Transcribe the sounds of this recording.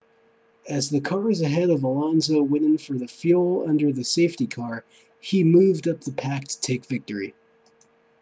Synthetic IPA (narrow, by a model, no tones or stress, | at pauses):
ɨzðɨkʰɑɹzɨɦɛɾʌvəlɑ̃nzoʊwɪ̃nɪ̃ŋfə˞ðɨfjulˠʌ̰̃ndə˞ðɨseɪftikʰɑɹ | imʉvdʌp̚ðəpʰæk̚tʰə̥tʰeɪkv̥ɪk̚tə˞i